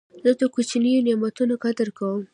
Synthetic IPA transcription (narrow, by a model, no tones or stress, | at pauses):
zət̪akot͡ʃnijonemat̪unakad̪əɾkawəm